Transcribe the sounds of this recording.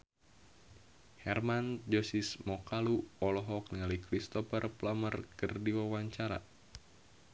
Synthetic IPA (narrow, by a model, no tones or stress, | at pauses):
hɛrmand͡ʒɔsismɔkaluɔlɔɦɔk̚niŋalikɾist̪ɔpərplamərkərdiwawaɲt͡ʃaɾa̰